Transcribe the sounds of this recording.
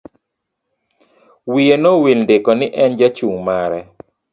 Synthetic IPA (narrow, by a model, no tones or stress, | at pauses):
wienowinndɪkɔnɪʔɛnd͡ʒat͡ʃuŋmaɾɛ